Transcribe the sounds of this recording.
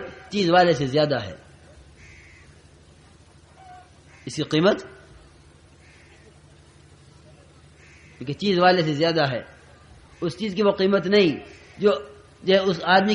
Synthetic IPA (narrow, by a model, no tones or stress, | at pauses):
t͡ʃiːzʋaːles̬ezjaːd̪aɦɛ̰ː | ɪskiqiːmət̪ | kõːket͡ʃiːzʋaːlesezjaːd̪aɦɛ̰ː | ʊst͡ʃiːzkiʋoqiːmət̪nɐɦĩ | d͡ʒoː | d͡ʒɐɦʊsaːd̪mi